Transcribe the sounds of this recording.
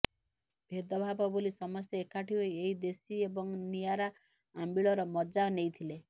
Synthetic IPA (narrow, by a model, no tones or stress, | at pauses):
bʱed̪ɔbʱabɔbolisɔmɔst̪eekaʈʰiwɔjeɦid̪esiebɔŋnijaɾa | ambiɭɔɾɔmɔd͡ʒanejt̪ʰile